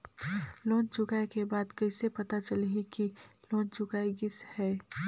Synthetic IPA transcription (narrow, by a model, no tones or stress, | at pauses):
loːnt͡ʃʊkaːekebaːd̪kɐɪsepɐt̪at͡ʃɐlɦikiloːnt͡ʃʊkaːeɡɪshɛː